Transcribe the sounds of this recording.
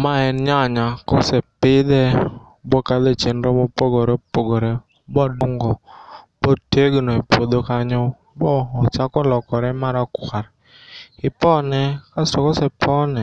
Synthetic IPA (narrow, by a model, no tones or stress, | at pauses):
maɛnɲaɲakɔsɛpɪd̪ɛ | bɔkad̪et͡ʃenɾɔmɔpoɡoɾepoɡoɾɛ | bɔdɔŋɡɔbɔteɡnɔipod̪okaɲɔ | bɔːt͡ʃakɔlɔkɔɾɛmaɾakwʷaɾ | ɪpɔnɛkasɔkɔsɛpʰɔnɛ